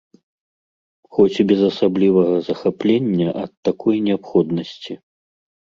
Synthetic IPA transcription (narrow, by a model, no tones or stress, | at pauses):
xɔt͡sʲbʲɛzɐsablʲivɐɣɐzɐxaplʲenʲːɐʔɐt̪ːakʰɔjnʲɛapxɔd̪nɐsʲt͡sʲi